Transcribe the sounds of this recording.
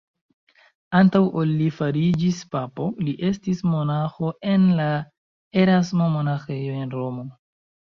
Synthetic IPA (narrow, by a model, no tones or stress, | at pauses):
antawʔolːifaɾid͡ʒispapo̞liʔe̞stismo̞naxo̞e̞nla | eɾasmomo̞naxe̞joe̞nɾo̞mo̞